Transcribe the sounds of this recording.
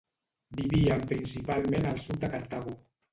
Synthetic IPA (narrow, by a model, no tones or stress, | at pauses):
biβiampɾinsipalmẽnalˠsud̪akaɾt̪aɣu